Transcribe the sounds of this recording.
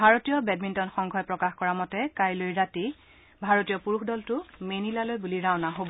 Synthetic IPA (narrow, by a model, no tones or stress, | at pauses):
bʱaɹotijɔbɛdmintɔnxɔŋɡʱɔjpɹɔkaxkɔɹamɔtɛkajlojɹati | bʱaɹotijɔpuɹuxdɔltʊmenilalojbuliɹaʊnaɦobɔ